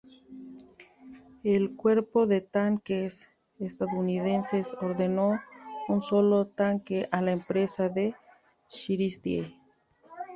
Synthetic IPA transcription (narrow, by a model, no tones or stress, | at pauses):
elkweɾpoðet̪aŋkes | est̪aðouniðensesoɾðenounsolot̪aŋkeʔalaempɾesaðe | ʃiɾisd̪jḛ